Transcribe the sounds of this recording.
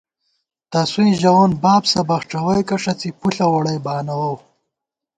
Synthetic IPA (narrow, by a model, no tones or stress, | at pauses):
t̪asuĩʒɐwonbaːbsɐbɐxʈ͡ʂɐwɐjkɐʂɐt͡sipuɬɐwɐɽɐjbaːnɐwɐw